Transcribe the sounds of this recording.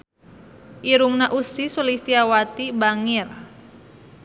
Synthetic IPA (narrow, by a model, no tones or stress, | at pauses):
ʔiɾuŋnaʔusisulist̪iawat̪ibaŋir